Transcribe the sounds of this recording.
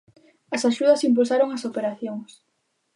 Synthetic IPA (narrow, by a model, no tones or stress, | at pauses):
ɐsaʃuðɐsimp̬ulsaɾoŋɐsopeɾaθjoŋs